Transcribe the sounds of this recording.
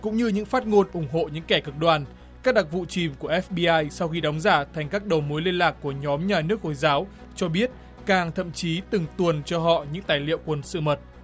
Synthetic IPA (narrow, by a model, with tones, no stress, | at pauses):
kʊ̰˧˥ŋ͡mɲɨ˧ɲɨ̰˧˥ŋfaː˦˥t̚ŋo˧nʔʊ˧˩ŋ͡mɦo̰˧˨ɲɨ̰˧˥ŋkɛ˧˩kɨ˨˩k̚ɗwaː˨˩n | kaː˦˥k̚ɗa˨˩k̚vṵ˧˨t͡ɕi˨˩mku˧˩əʔɛ˦˥fɓi˧ʔaː˧jsa˧wxi˧ɗɔ˨˦wŋ͡mzaː˧˩t̪ʰɛ˨˩ŋ̟kaː˦˥k̚ɗə˨˩wmu˨˦jli˧ənlaː˨˩kːu˧˩əɲɔ˨˦mɲaː˨˩nɨ˦˥ək̚ho˧˩jzaː˨˦w | t͡ɕɔ˧ɓi˦˥ət̚ | kaː˨˩ŋt̪ʰə̰˧˨mt͡ɕi˨˦t̪ɨ˨˩ŋt̪wu˨˩ənt͡ɕɔ˧ɦɔ̰˧˨ɲɨ̰˧˥ŋt̪aː˨˩jlḭ˧˨əwkwə˨˩nsɨ̰˧˨mə˨˩t̚